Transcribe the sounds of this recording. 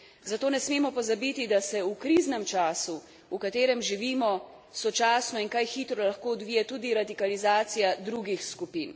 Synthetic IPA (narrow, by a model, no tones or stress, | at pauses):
zat̪oːnɛsmeːmɔpɔzabit̪id̪asɛukɾiːznɛmt͡ʃaːsu | ukat̪eːɾɛmʒiʋiːmɔ | sɔt͡ʃaːsnɔiŋkajxiːt̪ɾɔlaxkoːɔd̪ʋiːjɛt̪uːd̪iɾad̪ikalizaːt̪sijad̪ɾuɡixskupin